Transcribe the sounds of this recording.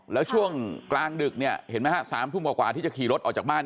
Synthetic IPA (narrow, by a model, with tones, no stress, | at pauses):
lɛː˦˥wt͡ɕʰu˥˩əŋklaː˧ŋdɯ˨˩k̚ni˥˩ɐhe˩˦nmaː˦˥hʰa˦˧˥saː˩˦mt̪ʰu˥˩mkaː˨˩kwaː˨˩t̪ʰiː˥˩t͡ɕa˨˩kʰiː˨˩ɾo˦˥t̪ʔɔː˨˩kt͡ɕa˨˩ɓaː˥˩n